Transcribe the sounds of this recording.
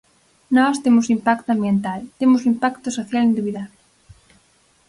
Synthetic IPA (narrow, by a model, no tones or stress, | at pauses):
nɔst̪emʊsimpak̚t̪ʊãmbjent̪alt̪emʊsimpakt̪ʊsoθjalend̪eβiðaβlɪ